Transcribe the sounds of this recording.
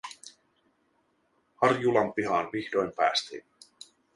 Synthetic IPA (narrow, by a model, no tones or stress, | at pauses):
hɑrjulɑmpiɦɑːnʋihdo̞jmpæ̰ːst̪ḭn